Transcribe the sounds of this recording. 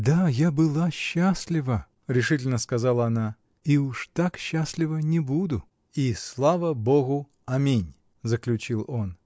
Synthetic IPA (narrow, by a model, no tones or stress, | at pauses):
d̪ajabɨlˠaɕːasʲlʲɪvə | ɾʲɪʂɨtʲɪlʲnəskɐzalˠəɐna | iuʂt̪akɕːasʲlʲɪvənʲɪbud̪ʊ | islˠavəboɣʊ | ɐmʲinʲ | zəklʲʉt͡ɕilˠo̞n